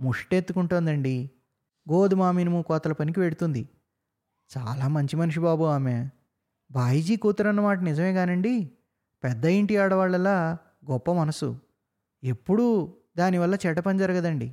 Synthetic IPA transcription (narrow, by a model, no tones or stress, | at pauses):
muʂʈet̪ːukuɳʈoːnd̪ɐɳɖi | ɡoːd̪umaːminɐmuːkɔːt̪ɐlɐpɐnik̬iʋe̞ɽut̪und̪i | t͡ʃaːlaːmɐɲt͡ʃimɐnuʂ̬ibaːbuaːmeː | bʱaːjid͡ʒiːkuːt̪ːɐɾɐnːɐmaːʈɐnid͡ʒɐme̞ːɡaːnɐɳɖi | pɛd̪ːɐjiɳʈijaːɽɐʋaːɭːɛlːaː | ɡɔpːɐmɐnɐsṵ | epːuɽu | d̪aːniʋɐlːɐt͡ʃɛːʈɐpɐnd͡ʒɐɾɐɡɐd̪ɐɳɖḭ